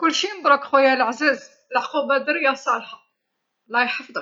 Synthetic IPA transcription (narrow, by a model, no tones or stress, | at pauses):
kʊlːʃinəd̪ˤɾˤɑkxwæjːæləʕzæz | lʕqubæd̪əɾijɑsˤɑlħɑ | lːɑjħəfd̪ˤ